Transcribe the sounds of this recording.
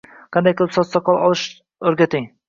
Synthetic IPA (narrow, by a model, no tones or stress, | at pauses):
qʰɑnd̪ajkʰʲlˠɪpsɒt̪sɑqʰɒlˠɒlˠɨʃ | ɵɾɡʲat̪ʰɪŋ